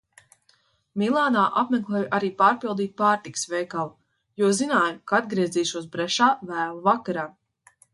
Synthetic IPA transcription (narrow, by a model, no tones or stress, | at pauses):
milˠaːnaːʔapmeklˠɛːjuʔaɾiːpaːɾpilˠd̪iːt̪̚paːɾt̪ikə̥svɛjkalˠu | juɔzinaːjukaad̪ɡɾiɛziːʃuɔs̬bɾɛʃaːvæːlˠuvakaɾaː